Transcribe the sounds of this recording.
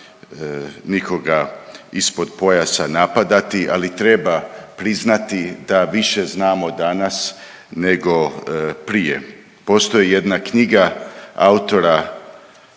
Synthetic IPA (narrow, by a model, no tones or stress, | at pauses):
niko̞ɡaispo̞d̪po̞jasanapad̪at̪iʔalit̪ɾe̞bapɾiznat̪id̪aʋiʃe̞znaːmo̞d̪anas | ne̞ɡo̞pɾijḛ | po̞st̪o̞jije̞d̪nakɲiɡaa̰ut̪o̞ɾa